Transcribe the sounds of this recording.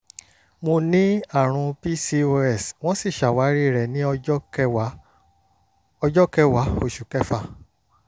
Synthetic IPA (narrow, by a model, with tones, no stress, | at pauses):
mo˧nĩ˦a˦˨ɾ̃ũ˧pi˦si˧o˧ɛ˦˨sw̃ɔ̃˦si˦˨ʃa˨wa˨˦ɾi˦˨ɾɛ˨nĩ˦˧˦ | ɔ˧d͡ʒɔ˦kɛ˦wa˨˦o˦˨ʃu˨kɛ˦fa˦˧˨